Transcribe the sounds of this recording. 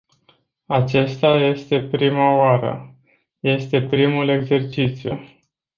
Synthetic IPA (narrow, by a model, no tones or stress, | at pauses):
at͡ʃe̞st̪aje̞st̪e̞pɾimaoaɾə̰ | je̞st̪e̞pɾimule̞ɡze̞rt͡ʃit̪sju